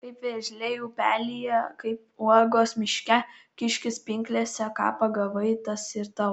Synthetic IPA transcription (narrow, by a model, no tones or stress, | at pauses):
kɐɪpʋʲeːʒʲlʲɛjuːpʲæːlʲijɛkɐɪpuɔɡoːsmʲɪʃʲkʲɛkʲɪʃʲkʲɪspʲɪŋʲklʲeːsʲɛkɑ̰ːpɐɡɐʋɐɪt̪ɐsɪɾt̪ɐ